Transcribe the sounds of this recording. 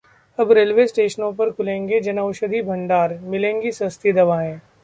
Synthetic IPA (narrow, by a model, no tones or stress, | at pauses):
ɐbɾeːlʋesʈeːʃənõpɐɾkʰʊlẽːŋɡed͡ʒɐnaʊʃəd̪ʱibʱɐ̃ɳɖaːɾmɪlẽːŋɡisɐst̪ʰid̪ɐʋaːẽː